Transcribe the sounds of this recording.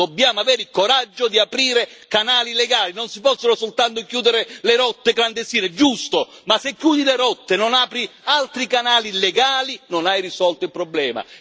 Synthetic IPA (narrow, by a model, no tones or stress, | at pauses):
d̪obːjaːmoaveːɾilkoɾad͡ʒːod̪iapɾiːɾekanaːlileɡaːlinonsipɔsːonosolt̪ant̪okjuːd̪eɾeleɾɔt̪ːekland̪est̪iːned͡ʒust̪omasekːjuːd̪ileɾɔt̪ːenonaːpɾialt̪ɾikanaːlileɡaːlinonajrisɔlt̪oilpɾoblɛːma̰